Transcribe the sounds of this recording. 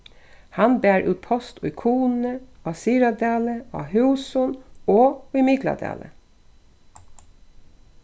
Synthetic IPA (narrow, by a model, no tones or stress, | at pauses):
hɑnbæːɹʔʉ̰ːt̪̚pʰɔst̪ʊʏkʰuːnəɑsiːɾɑd̪eːləɑ̰hʉːsʊnoːʏmɪɡlɑ̰d̪ḛːlə̰